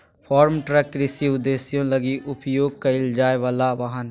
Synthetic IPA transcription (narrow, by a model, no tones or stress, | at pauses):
pʰɔːɾmʈɾəkːɾɪsiʊd̪eːsijõləɡiʔʊpjoːɡ̚kaɪld͡ʒaːeʋaːlaʋaɦənɦ